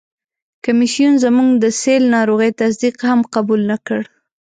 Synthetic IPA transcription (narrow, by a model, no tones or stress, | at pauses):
kamisijunzəmuŋɡd̪əselnɑɾoɣəjt̪as̬d̪iqhamqabulnakəɽ